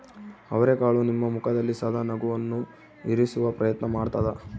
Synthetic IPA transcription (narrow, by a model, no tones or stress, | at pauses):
ɐʋɐɾeːkaːɭunimːɐmukʰɐd̪ɐlːisaːd̪ʱɐnɐɡuʋɐnːu | iɾisuʋɐpɾɐjɐt̪nɐmaːɖt̪aːd̪ɐ